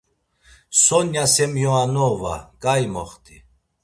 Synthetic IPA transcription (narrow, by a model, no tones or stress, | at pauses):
sɔnjasɛmjɔanɔva̰kʼajmɔ̰χt̪ʼi